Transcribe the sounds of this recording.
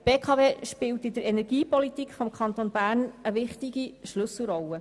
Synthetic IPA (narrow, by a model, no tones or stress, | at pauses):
b̥eːkʰɑːveːʃpɪlt̪ɪdəɾɛnɛɾɡ̥iːpɔlit̪ikfɔmkʰɑnt̪onbæːɾnəʋɪχt̪iɡiʃlʏsl̩ˠɾɔlːə